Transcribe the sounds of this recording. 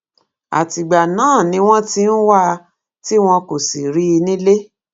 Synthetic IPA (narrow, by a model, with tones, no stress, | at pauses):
a̰˨ti˨ɡ͡ba˨nãː˨˦˨nĩ˧˦w̃ɔ̃˦ti˦n̩˦wa˦˧ | ti˦w̃ɔ̃˧ko˨si˨ɾi˦i˧nĩ˦le˦